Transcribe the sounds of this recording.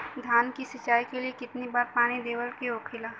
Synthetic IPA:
d̪ʱaːnkisɪt͡ʃaːikeliekɪt̪nibaːɾpaːñid̪eːwəlkeokʰɪlaː

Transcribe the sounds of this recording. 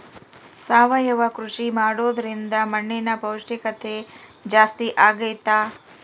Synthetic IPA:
saːʋɐjɐʋɐkɾuʂimaːɽoːd̪ɐɾind̪ɐmɐɳːɛnɐpɐwʂɐkɐt̪ed͡ʒaːst̪iʔaːɡɐjt̪aː

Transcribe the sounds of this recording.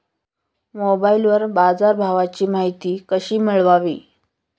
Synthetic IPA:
mobailʋəɾbad͡zaɾbʱaʋat͡ɕiːmaɦit̪iːkəɕiːmiɭʋaʋiː

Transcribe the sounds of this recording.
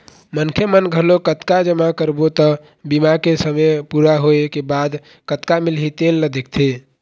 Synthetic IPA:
mənkʰemənɡʱəlokət̪kad͡ʒəmakəɾbot̪ə | bimakesəmepuɾaɦoekebad̪ | kət̪kamilɦit̪elːəd̪ek̚ʰt̪ʰe

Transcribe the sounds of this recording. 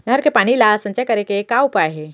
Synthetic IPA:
ɡəɾkepaɽ̃ilasə̃ɲt͡ʃakəɾekekaupaɦe

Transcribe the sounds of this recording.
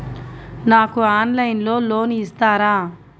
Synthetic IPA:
naːkuaːnlɐjnlo̞ːlo̞ːnist̪aːɾaː

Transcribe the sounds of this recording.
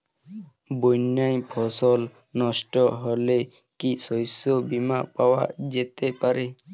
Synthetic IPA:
bojnajpʰɔsɔl | nɔsʈɔɦole | kisɔjsɔbimapawa̰d͡ʒet̪epaɾe

